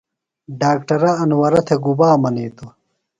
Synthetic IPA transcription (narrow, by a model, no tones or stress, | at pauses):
ɖaːkʈɐɾɐɐnwɐɾɐt̪ʰeɡubaːmɐneːt̪o